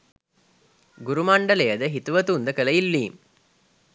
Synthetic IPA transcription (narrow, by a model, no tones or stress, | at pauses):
ɡuɾumaɳɖəlejəd̪əɦit̪uʋɐt̪und̪əkəlɐilːiːm